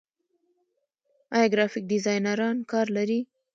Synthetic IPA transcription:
ɑjɑɡɾɑfɪk̚dɪzɑjnaɾɑnkɑɾlaɾi

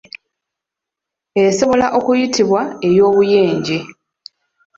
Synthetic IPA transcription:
e̞so̞βo̞laʔo̞kujitiβwae̞jo̞ːβuje̞ːɲɟe

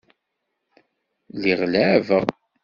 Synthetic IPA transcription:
liʁlavəʁ

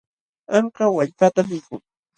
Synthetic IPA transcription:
aɴkawaʎpat̪amɪkʊŋ

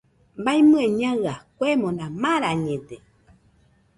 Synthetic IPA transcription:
mbajmɨ̃ẽɲãɰakʷemõnãmãɾaɲẽt̪e

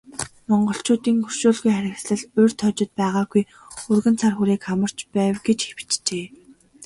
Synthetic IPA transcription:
mɔɴɢɞ̆ɬt͡ɕʊːt̪iːŋxɵr̥ʃuːɮɣujχæɾʲɪ̆ksɮə̆ɮʊjr̥t̪ʰːɔt͡ɕɪ̆t̪̚pæːʁaːɡuj | urɣɘ̆nt͡sʰarxuɾiːkχamə̆r̥t͡ɕpæːwɡet͡ɕxewt͡ɕt͡ɕeː

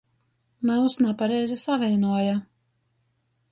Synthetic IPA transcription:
mausnapaɾɛjzʲɛsavʲɛjnuɔja

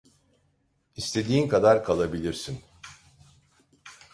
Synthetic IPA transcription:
ist̪ʰe̞d̪iːnkʰad̪aɾkʰalˠabilʲiɾsin

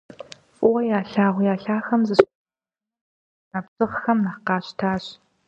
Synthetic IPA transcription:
ʔʼʊwɐjaːɬaːʁʷjaːɬaːxɐmzɨɕ | naːpsʼɨʁxɐmnaqɑːɕtʰaːɕ

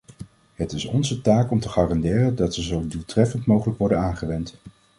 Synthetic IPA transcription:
ɦətɪsɔnzətaːkɔmtəχaːrɑndɪːrəndɑtsəzowdulˠtrɛfəntmowχələkʋɔɹdənaːnχəʋɛnt

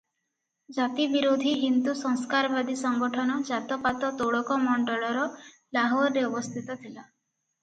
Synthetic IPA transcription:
d͡ʒat̪ibiɾod̪ʱiɦind̪usɔŋskaɾɔbad̪isɔŋɡɔʈʰɔnɔd͡ʒat̪ɔpat̪ɔt̪oɭɔkɔmɔɳɖɔlɔɾɔ | laɦɔɾɾeɔbɔst̪ʰit̪ɔt̪ʰila

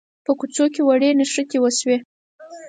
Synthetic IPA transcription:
pəkut͡sokewaɽenaʂəkewəswe

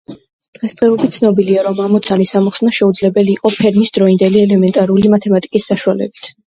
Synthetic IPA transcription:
d̪̥ʁɛsd̪ʁɛɔbit̪t̪sʰnɔbiliaɾɔmamɔt̪sʰanisamɔχsnaʃɛud̪zlɛbɛliːqʼɔpʰɛɾmisd̪ɾɔind̪ɛliɛlɛmɛnt̪ʼaɾulimat̪ʰɛmat̪ʼikʼisːaʃualɛ̰bit̪ʰ

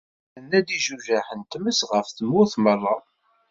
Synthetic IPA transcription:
ənːæd̪iʒuʒaħənt̪məsʁəfθəmːʊθmərˤːɑ

